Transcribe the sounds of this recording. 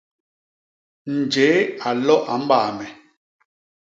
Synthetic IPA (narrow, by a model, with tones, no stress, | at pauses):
n̩˨d͡ʒe˨˦a˨lɔ˦ʔa˨m̩˦baː˨mɛ˨